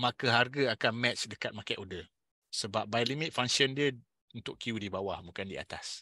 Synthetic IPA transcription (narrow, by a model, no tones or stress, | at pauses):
makəɦarɡəakanmɛt̪t͡ʃdəkat̪̚makaʔodə | səbap̚bajlimɪt̪̚faŋsiəndiə | unt̪ʊkkiudibawahbukandia̰t̪as